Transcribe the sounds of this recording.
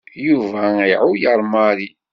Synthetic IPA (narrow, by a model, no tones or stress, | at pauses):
juvæiʕʊjəɾˤmɑɾi